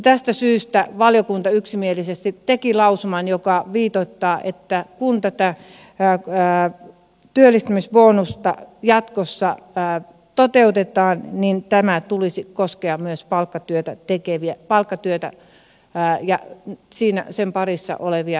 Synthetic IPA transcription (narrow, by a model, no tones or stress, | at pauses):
t̪æst̪æsyːst̪æʋɑljokunt̪ɑyksimielisest̪it̪tekilɑusumɑnjokɑʋiːt̪ot̪ːɑːʔḛt̪ːækunt̪æt̪æ | t̪yølːist̪æmisʋoːnust̪ɑ̰jɑt̪kosːɑː | t̪ot̪eut̪et̪ɑːnnint̪æmæt̪ulisikoskeɑmyøspɑlkːɑt̪yøt̪æt̪ekeʋiæpɑlkːɑt̪yøt̪æ̰ | jɑ̰siːnæ̰sempɑrisːɑ̰ʔoleʋiɑ